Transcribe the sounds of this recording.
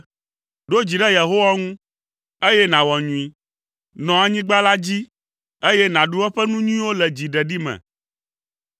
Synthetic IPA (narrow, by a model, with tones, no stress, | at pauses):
ɖo˦d͡ʑi˨ɖɛ˦je˨ɦo˦wa˦ŋũ˦ | e˦jɛ˦nã˨wɔ˨ɲũ˨i˨ | nɔ̃˨a˨ɲĩ˦ɡ͡ba˦la˦d͡ʑi˦ | e˦jɛ˦nã˨ɖu˦wɛ˦ɸɛ˦nũ˦ɲũ˦ĩ˦wo˦lɛ˨d͡ʑi˨ɖɛ˨ɖi˦mɛ̰̃˨